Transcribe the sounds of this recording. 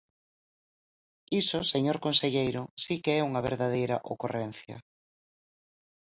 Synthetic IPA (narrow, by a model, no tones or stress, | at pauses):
isʊseɲoɾkonseʎejɾʊsikeɛuŋɐβeɾðað̞ejɾɐ̰ʔokorɛn̟θjɐ̰